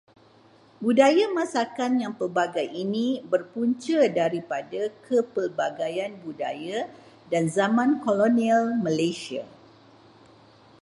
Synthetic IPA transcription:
budajamãsakanjaŋpərbaɡajinĩbərpuɲt͡ʃədaɾipadakʰəpərbaɡajanbuda̰ja | danzamãnkolonialmə̃lasia̰

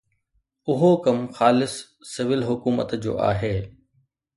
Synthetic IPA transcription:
ʊɦokɐmxaːlɪsː | ɪʋɪlɦʊkuːmə̰t̪d͡ʑo̰ːʔa̰ːɦeː

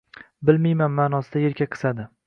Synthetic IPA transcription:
bɪlmajmanmaːnɒsɪd̪ajeɾkʲʰakqʰɨ̥sad̪ɪ

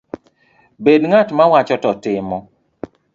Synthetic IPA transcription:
bedŋatmawat͡ʃɔtɔtɪmɔ

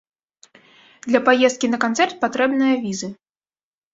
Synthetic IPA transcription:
d̪lʲɐpajɛst̪̚kʲinɐkant̪sɛrt̪̚pat̪ɾɛbnɨjɐvʲizɨ

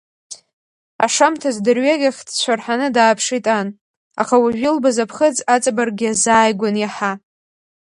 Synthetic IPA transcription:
a̰ʂamtʰazdɨrɥaɡʲaχʲdt͡ɕʷʰarħanɨdaːpʰʂitʼan | a̰χawaʒʷᶣilbazapʰχəd͡zat͡sʼabarɡʲɪazaːjɡʷanjaħa

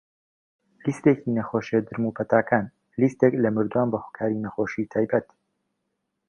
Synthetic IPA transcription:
list̪ecinɐxoːʃed̪ɨɾmupʰɐt̪aːkʰaːn | list̪eklɐmɨɾd̪uwaːnbɐhokʰaːɾinɐxoʃit̪ʰaːjbɐt̪

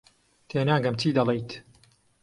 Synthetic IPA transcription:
t̪ʰeːnaːŋɡɐmt͡ʃiːd̪ɐlˠejt̪

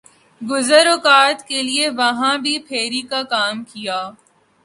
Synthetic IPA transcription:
ɡʊzəɾokaːt̪kelieʋɐɦãbʱipʰeːɾikakaːmkijaː

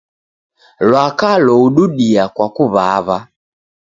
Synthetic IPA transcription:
lwakalɔuɗuɗiakwakuβaβa

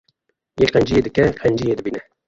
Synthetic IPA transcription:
jeːqɛnd͡ʒijeːd̪ɨkɛqʰɛnd͡ʒijeːd̪ɨbiːnɛ

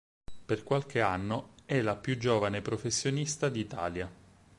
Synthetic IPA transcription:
perkwalk̟eanːoɛlapːjud͡ʒːoːvanepɾofesːjonist̪ad̪iːt̪a̰ːlja

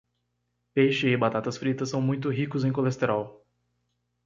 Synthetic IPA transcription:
pejʃɪɪbat̪at̪ɐsfɾit̪ɐsɐ̃w̃mũj̃t̪ʊɦikʊzẽj̃kolest̪eɾaw

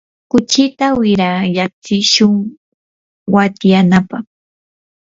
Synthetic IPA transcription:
kʊt͡ʃɪt̪awɪɾajaχ̚t͡sɪʃʊŋ | wat̪janapɑχ

